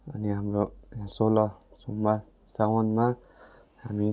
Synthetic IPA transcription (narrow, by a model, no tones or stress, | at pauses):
aniamɹoãsolɔsuma | sawɔnma | hami